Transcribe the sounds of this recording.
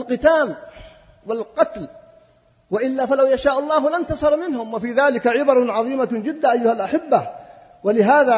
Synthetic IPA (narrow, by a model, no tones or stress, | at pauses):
lqɨt̪aːl | walqɑt̪l | waʔɪlːaːfalawjaʃaːʔɑlˤːɑːhlant̪ɑsˤɑɾˤmɪnhʊmwafiːðaːlɪkaʕɪbɑɾˤʕɑðˤiːmad͡ʒɪd̪ːaʔajːʊhalʔaħɪbːa | walɪɦaːða